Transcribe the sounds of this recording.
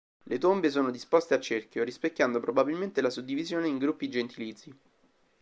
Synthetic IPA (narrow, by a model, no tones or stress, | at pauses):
let̪ombes̬oːnod̪ispost̪eat͡ʃːerkjoɾispekʲːjand̪opɾobabilment̪elasud̪ːivizjoːneiŋɡɾupːid̪id͡ʒent̪iliːt̪sːi